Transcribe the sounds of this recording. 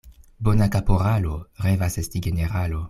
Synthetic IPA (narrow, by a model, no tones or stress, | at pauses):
bonakapoɾaloʁevasestiɡe̞neʁalo